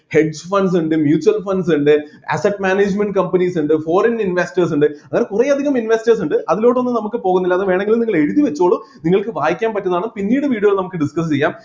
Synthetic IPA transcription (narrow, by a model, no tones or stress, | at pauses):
heɖsfɐns̬uɳɖɨmjuːt͡ɕːuwɐlfɐnɖs̬uɳɖɨ | ɐ̰sɐʈmaːneːd͡ʑmeɳɖɨkɐmpɐnisuɳɖɨfo̞ːɾɐninʋesʈɐrsuɳɖɨɐŋːɐne̞kureɐd̪ʱiɣɐminʋestɐrsuɳɖɨʔɐðilo̞ːʈ̬ːo̞nːɨnɐmukːɨpo̞ːɣunːilːɐðɨʋe̞ːɳeŋɡilumniŋːɐɭe̞ɻuðiʋet͡ɕːuoːɭːuniŋːɐɭkɨʋaːjikʲːaːnpɐtːnɐðaːɳɨpinːiːɽɨʋiːɽioɣiɭnɐmukːɨɖiskɐst͡ɕe̞jːaːm